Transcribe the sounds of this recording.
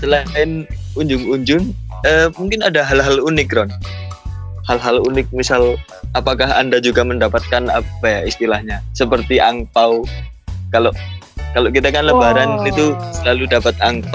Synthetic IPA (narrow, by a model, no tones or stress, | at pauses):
səlaaɪn | uɲd͡ʒʊŋuɲd͡ʒʊŋəmuŋkɪnadaɦalɦalunɪkɾɔn | halɦalunɪk̚misal | apakaɦa̰ndad͡ʒuɡaməndapat̪̚kana̰pajaist̪ilahɲasəpərt̪iʔaŋpaw | kaloʔkaloʔk̬it̪akanləbaɾanit̪usəlaludapat̪̚aŋp